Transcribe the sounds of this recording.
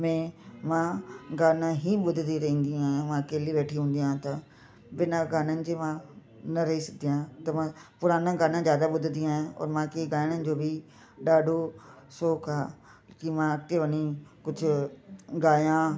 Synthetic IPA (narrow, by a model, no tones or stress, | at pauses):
mẽmãɡaːnãɦiɓʊd̪ʱɪd̪ʱiɾɐɦĩːnd̪ĩaːɦɪjãmãkeːliʋeːʈʰiɦũːn̆d̪ijãt̪ɐ | ʋɪnaɡaːnənɪ̆d͡ʑeːmã | nɐɾɐɦisɐɡd̪ijãːt̪ɐmãpʊɾaːnãɡaːnãzjaːd̪aɓʊd̪ʱɪ̃nd̪iaːɦẽɔ̰ːɾmãːkeɡaːɪɽ̃ənɪ̆d͡ʑoːbʱi | ɗaːɖʱo | soːkʰaː | kimãɐkt̪eʋɐɲikʊd͡ʑʱʊ̆ɡaːjã